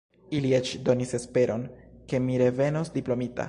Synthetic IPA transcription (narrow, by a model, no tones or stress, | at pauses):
ilie̞t͡ʃdo̞nise̞spe̞ɾʔo̞nke̞miɾe̞ve̞nosdiplo̞mita̰